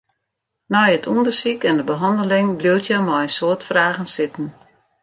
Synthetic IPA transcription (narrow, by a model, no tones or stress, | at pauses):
nɔjətʰundərsikɛndəbəɦɑndəlɪŋbliwtʰjamɔjəsoətfraːɣənsɪtn̩